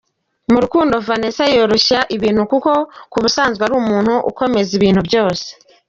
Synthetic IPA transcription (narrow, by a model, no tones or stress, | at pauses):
muɾukuːndo̞vanesajo̞ːɾo̞ʃaʔiβiːn̥hukuko̞kuβusaːnzɡwaɾuːmuːnhuʔṵko̞me̞ziβiːn̥hubjo̞ːse̥